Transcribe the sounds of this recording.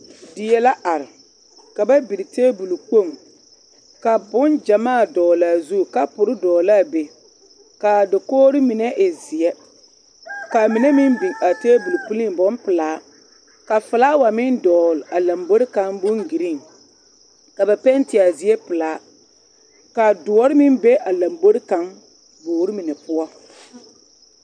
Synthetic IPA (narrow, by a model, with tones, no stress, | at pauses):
dɪ˨jɛ˨la˦ʔa˨ɾɪ˨ | ka˨ba˦bi˨ɾɪ˨teː˦bu˨lu˨k͡po˦˨ŋ | ka˨bʊ˦nd͡ʒa˨maː˦˨dɔː˨laː˨zu˦˨ka˦pʊ˨ɾɪ˦dɔː˨laː˦˨be˨ | ka˨dɪ˨koː˦ɾɪ˦mɪ˨nɛ˦ʔɪ˨zɪ˨ɛ˦ | ka˨mi˨ne˦mɪ˦mbi˨ŋa˨teː˦bu˨lu˨pu˦li˦ŋbɔ˦mpɪ˨laː˨˦ | ka˨fɪ˨laː˦wa˨mɪ˦ndɔː˨la˨la˨mbo˦ɾɪ˦ka˦ŋbʊ˦ŋɡi˨ɾi˦˨ŋ | ka˨ba˨pɛ˦ntɪ˨a˨zɪ˨˦ɛ˦pɨ˨laː˨˦ | ka˨dʊ˨ɔ˦ɾɪ˦mɪ˦nbe˦ʔa˨la˨mbo˦ɾɪ˦ka˨ŋ | boː˨ɾi˦mɪ˨nɛ˨pʊ˦ɔ˦